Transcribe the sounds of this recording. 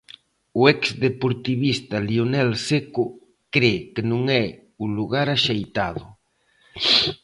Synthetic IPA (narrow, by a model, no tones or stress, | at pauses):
ʊɛksðepoɾt̪iβist̪ɐlionɛlsekʊ | kɾekenũŋɛ | uluɣaɾaʃejt̪aðʊ